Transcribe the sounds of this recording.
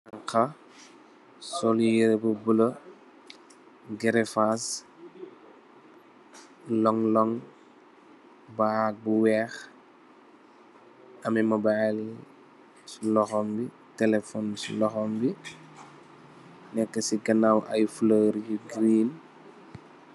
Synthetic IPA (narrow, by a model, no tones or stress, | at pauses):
ɐŋkɐ | sɔlijəɾbubulɐ | ɡɛɾɛfas | lɔŋlɔŋ | baːbuwɛːx | ɐmɛmɐbali | slɔxɔmbi | tɛlɛfɔnsulɔxɔmbi | nɛkːəsiɡɐnawʔɐjfləɾɟuɡɾiːn